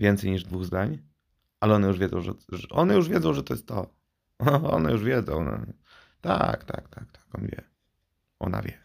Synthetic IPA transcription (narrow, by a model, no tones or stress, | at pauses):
vʲjɛnt̪sɛjɲiʐd̪vuɣzd̪aɲ | ʔalɛɔnɛjuʐvʲɛzɔ̃w̃ʐɛ̰ɛʔɔnɛjuʐvʲɛzɔ̃w̃ʐɛt̪ɔjɛst̪t̪ːɔ | ɔ̰nɛjuʐvʲjɛd̪zɔ̃w̃nɔ̰ | t̪a̰kt̪a̰kt̪ʰak̚t̪ḁkɔnvʲjɛ̰ | ʔɔna̰vʲjɛ